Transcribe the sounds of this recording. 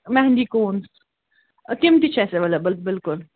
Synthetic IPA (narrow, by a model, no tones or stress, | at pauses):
mɛɦnd͡ʒikoːns | kɪmt̪it͡ʃʰɛseʋɐləbɪlt̪̚bɪlkʊl